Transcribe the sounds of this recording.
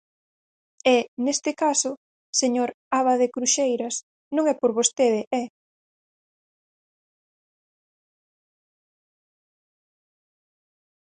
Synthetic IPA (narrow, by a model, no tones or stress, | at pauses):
ɛnest̪ɪkasʊ | seɲoɾ | aβaðekɾuʃejɾɐs | nõŋɛpoɾβost̪eðɪʔɛ